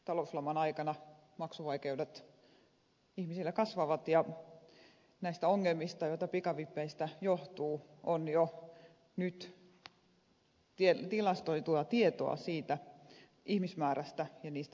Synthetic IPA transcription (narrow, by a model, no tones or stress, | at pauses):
t̪ɑlouslɑmɑnɑikɑnɑ | mɑksuʋɑikeudet̪ | ihmisilːekɑsʋɑʋɑt̪jɑ | næist̪æoŋːelmist̪ɑjoˑit̪ɑpikɑʋipːeist̪æjoht̪uːʔonjo | nyt̪ | tiet̪ilɑst̪oit̪uɑt̪iet̪o̰ɑ̰siːt̪æ | ʔihmismæːræst̪æjɑniːst̪æ